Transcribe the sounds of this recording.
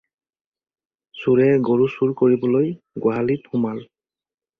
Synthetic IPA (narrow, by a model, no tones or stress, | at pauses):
suɹɛɡoɹusuɹkoɹibɔloj | ɡwaɦaliphʊmal